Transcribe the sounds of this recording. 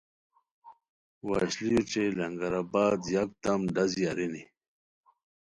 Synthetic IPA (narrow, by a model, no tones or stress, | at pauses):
wa̰ɕlijʈ͡ʂelɐŋɡɐɾabaːd̪jak̚t̪ɐmɖazijaɾini